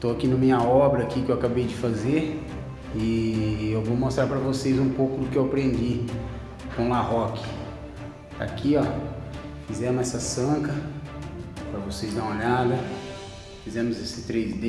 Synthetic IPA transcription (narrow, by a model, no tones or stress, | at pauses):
t̪oakinɐmĩɲɐɔbɾɐkiʊkɪewakabejd͡ʒɪfazeɾ | ɪewvomost̪ɾaɾpɾɐvosejzũpowkʊd̪ʊkɪewapɾẽnd͡ʒi | kõlahɔkɪ̥ | t̪a̰kʰiɔ | fizɛmʊzɛsɐsɐ̃kɐ | pɾɐvosejznɐ̃w̃aʎad̪ɐ | fizɛ̃mʊzesɪt̪ɾejzd̪e